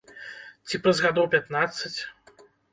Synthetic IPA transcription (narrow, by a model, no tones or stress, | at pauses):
t͡sʲipɾɐzɣad̪ɔwpʲat̪nat̪sɨt͡sʲ